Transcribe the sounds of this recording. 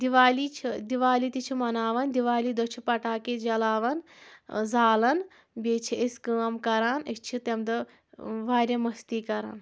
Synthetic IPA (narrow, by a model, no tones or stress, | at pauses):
d̪iʋaːliːt͡ʃʰid̪iʋaːliːt̪it͡ʃʰimɐnaːʋɐnd̪iʋaːliːd̪ot͡ʃʰipɐʈaːked͡ʒɐlaːʋɐn | zaːlɐn | bʲeːt͡ʃʰieskəːmkɐɾaːnist͡ʃʰit̪emd̪ɐ | ʋaːɾʲɐmɐst̪iːkɐɾa̰ːn